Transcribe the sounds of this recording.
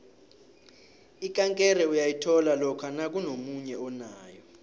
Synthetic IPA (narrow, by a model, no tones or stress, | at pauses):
ikʼaŋkʼɛrɛujajitʰɔlalɔkʰanak̬ʼunomuɲɛɔnaːjɔ